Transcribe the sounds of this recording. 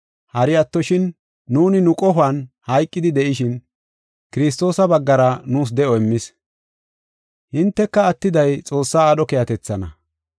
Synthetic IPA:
hɐɾɪjɐt̪ːɔʃɪnː | uːnɪnʊkʼɔɦʊɐnhɐjkʼːɪd̪ɪd̪ɛʔɪʃɪn | kɪɾɪs̬t̪ːo̞ːsɐbɐɡːɐɾɐnuːs̬d̪ɛʔɔɛmːɪs | hɪnt̪ːɛkːɐːt̪ːɪd̪ɐjt͡sʼo̞ːsːaːɗɔkejɐt̪ɛt͡sːɐnɐ

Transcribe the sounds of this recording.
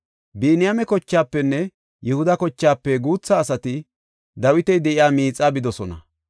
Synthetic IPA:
biːnɪjamɛkɔt͡ʃːaːpːɛnːɛ | jɛhʊd̪ɐkɔt͡ʃːaːpːɛɡuːt͡sːɐːsɐt̪ɪ | d̪ɐwɪt̪ɛjd̪ɛʔɪjaːmiːt͡sʼːaːbɪd̪ɔsɔnɐ̰

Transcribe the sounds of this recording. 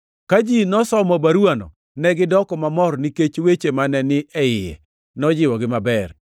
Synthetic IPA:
kad͡ʒinɔsɔmɔbaɾwanɔ̰ | nɛɡɪdɔkɔmamɔrniket͡ʃwet͡ʃemanɛnɪʔɛɪjɛ̰ | nɔd͡ʒɪwɔɡɪmabɛr

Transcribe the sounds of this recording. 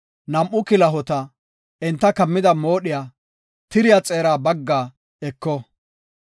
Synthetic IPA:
nɐmʔʊkɪlɐɦɔt̪ɐ | ɛnt̪ːɐkɐmːɪd̪ɐmo̞ːɗɪjaː | t̪ɪɾɪjat͡sʼeːɾaːbɐɡːaː | ɛkːɔ

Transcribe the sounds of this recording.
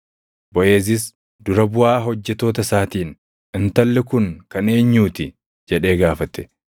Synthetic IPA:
bɔʔe̞ːs̬ɪs | d̪ʊɾɐbʊʔaːɦɔd͡ʒːɛt̪ːo̞ːt̪ɐsaːt̪iːn | ɪnt̪ɐlːɪkʊŋkɐne̞ːɲːuːt̪ɪ | d͡ʒɛᶑe̞ːɡaːfɐt̪ɛ̥

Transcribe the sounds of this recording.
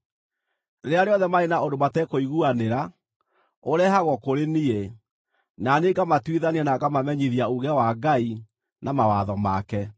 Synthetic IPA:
eɾeaɾeɔðɛmaenaondomatɛkoiɣuaneɾa | oɾɛhaɣwɔkoɾenie | naneɡamatwiðaniɛnakamamɛɲiðiauɣɛwaɡai | namawaðɔma̰kɛ

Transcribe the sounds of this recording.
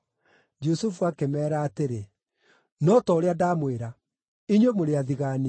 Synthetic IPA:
d͡ʒusufuakemɛːɾaːteɾe | nɔtɔɾeadaːmweɾa | iɲwemoɾeaðiɣaːni

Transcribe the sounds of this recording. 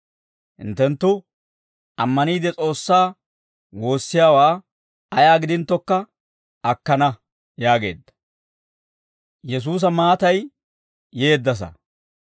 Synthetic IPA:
hɪ̰nt̪ːɛnt̪ːʊ | ʔɐmːɐniːd̪ɛt͡sʼo̞ːsːaː | wo̞ːsːɪjaːwaː | ɐjaːɡɪd̪ɪnt̪ːɔkːɐ | ʔɐkːɐnɐ | jaːɡe̞ːd̪ːɐ̥ | jɛs̬uːs̬ɐmaːt̪ɐjː | e̞ːd̪ːɐs̬ɐ̰

